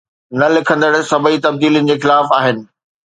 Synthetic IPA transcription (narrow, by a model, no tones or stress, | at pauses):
nɐlɪkʰə̃nd̪əɽsɐbʱit̪ɐb̚d̪iːlijənɪ̆d͡ʑeːxɪlaːfaːɦɪnɪ̆